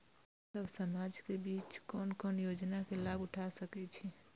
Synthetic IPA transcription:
səbsəmad͡ʒkebiːt͡ʃkɔːnkɔnjod͡ʒnakelaɡʊʈʰasəkɛt͡ʃʰi

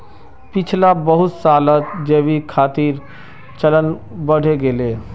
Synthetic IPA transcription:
pɪt͡ʃʰlabəɦʊt̪saːlət̪d͡ʒeːʋikʰaːt̪iːɾ | t͡ʃələnbəɽ̤ʱeɡeleː

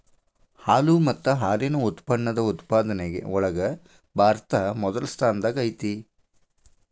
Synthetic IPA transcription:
haːlumɐt̪ːɐɦaːɾinuut̪pɐɳːɐd̪ɐut̪paːd̪ɐneɡḛɔɭɐɡɐ | bʱaːɾt̪ɐmɔd̪ɐlɐst̪ʰaːnɐd̪ɐɡɐjt̪i

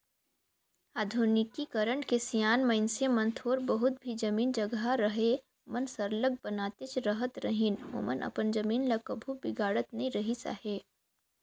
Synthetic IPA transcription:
aːd̪ʱunɪkikəɾəɳkesijaːnmɐɪnsemɐ̃nt̪ʰoːɾbəɦʊt̪̚bʱid͡ʒɐmiːnd͡ʒɐɡɦaɾɐɦe | mənsəɾləɡ̚bənaːt̪et͡ʃɾəɦət̪ɾɐɦɪnɦo̰ːmənʔɐ̰pənd͡ʒɐmiːnlɐkəbʱubɪɡaːɽət̪nɐɦĩɾɐɦisa̰ːheː

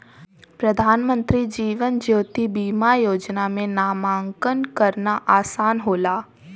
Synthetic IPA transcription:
pɾɐd̪ʱaːnmə̃nt̪ɾid͡ʒiːʋənd͡ʒjoːt̪ibiːmajoːd͡ʒnamẽnaːmãːŋkənkɐɾnaʔaːsaːnɦoːlaː

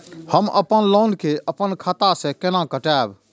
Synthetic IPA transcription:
həməpənloːnkeʔəpənkʰət̪asɛ̃kenãkəʈaːb

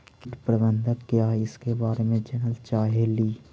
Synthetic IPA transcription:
kɪʈpɾəbə̃nd̪ʱəkkijaːɪskebaːɾemẽd͡ʒɛnəlt͡ʃaːɦeliː

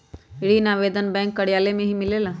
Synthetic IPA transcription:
ɪɽinaːʋeːd̪ənbɛ̃ːŋkːɐɽijaːlemẽɦimɪleːla

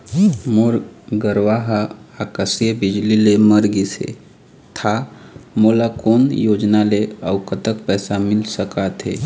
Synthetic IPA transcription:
moɾɡəɾʋaɦəakəsjəbɪd͡ʒlileməɾɡisḛ | t̪ʰamolakoːnjoːd͡ʒnaleəʊkət̪əkpɛːsamɪlsəkat̪ɦḛ

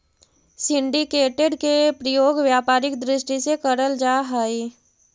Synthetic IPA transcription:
sɪ̃ɳɖikeːʈeɖkepɾəjoːɡʋjaːpaːɾɪkd̪ɾɪʃʈisekəɾəld͡ʒaːɦəi

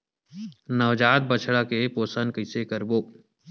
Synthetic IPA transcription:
nɐʋd͡ʒaːt̪̚bət͡ʃʰɽakepoːsənkəɪsekəɾboː

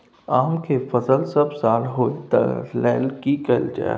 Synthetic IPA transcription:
aːmkefɐzəlsɐbsaːlɦoːit̪ɐ̰lɛːlkikɐld͡ʒa̰

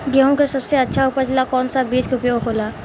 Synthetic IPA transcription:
ɡeɦõkasɐbseɐtːʃʰaupəɾt͡ʃɪlakɔːnsabiːskʊpijoɡɦʰoːlaː

